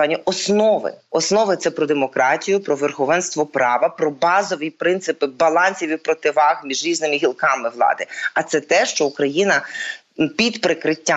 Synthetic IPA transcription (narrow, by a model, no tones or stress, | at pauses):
ɑnʲːɐʔɔsnɔʋɪ̰ɔsnɔʋɪt̪sɛpɾɔd̪emɔkɾɑtʲijʊpɾɔʋerxɔʋɛnst̪ʋɔpɾɑʋɐpɾɔbɑzɔʋʲipɾɪnt̪sɪpɪbɐlˠɑnʲsʲiʋʲipɾɔt̪ɪʋɑxmʲiʒɾʲiznɪmɪɦʲilˠkɑmɪʋlˠɑ̰d̪ɪɐt̪sɛt̪ɛʃt͡ʃɔukɾɐjinɐ | pʲid̪pɾɪkɾɪtʲːa